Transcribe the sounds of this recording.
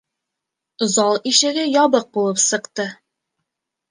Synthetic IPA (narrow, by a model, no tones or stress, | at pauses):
ŏzɑlˠiʃɘ̆ɡɘjɒβɤq̚bulˠɤpsɤ̆qt̪ɤ